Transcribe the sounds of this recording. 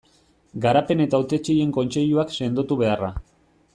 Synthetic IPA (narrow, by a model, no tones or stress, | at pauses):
ɡaɾape̞ne̞t̪aut̪e̞t͡ʃeje̞ŋko̞nt͡ʃe̞ʎuakse̞nd̪ot̪uβe̞ara